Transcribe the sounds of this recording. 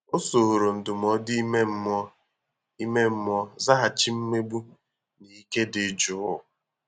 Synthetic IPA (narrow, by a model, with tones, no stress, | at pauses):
o˦so˨ɾo˨n̩˨dʊ˨m˨ɔ˦di˦me˦m̩˦ɔ˦ | i˦me˦m̩˦m˦ɔ˦za˦ɦa˨t͡ʃi˦m̩˦me˦bu˦ | ni˨i˦ke˦dɪ˨˦d͡ʒʊ˨˦ʊ˨